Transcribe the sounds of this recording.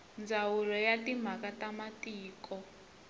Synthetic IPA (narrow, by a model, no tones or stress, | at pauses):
nd͡zawulɔjatim̤akatamatiːkɔ